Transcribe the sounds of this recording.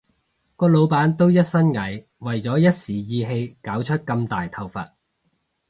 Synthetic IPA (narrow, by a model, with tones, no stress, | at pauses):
kɔː˧lo˨˧wpaː˨˥nt̪o˥wjɐ˥t̚sɐ˥nŋɐ˨˥j | wɐ˨˩jt͡sɔː˨˥jɐ˥t̚siː˨˩jiː˧ɦe˧jkaː˨˥wt͡ʃʰɵ˥t̚kɐ˧mt̪aː˨jt̪ʰɐ˧wfɐ̰˨t̚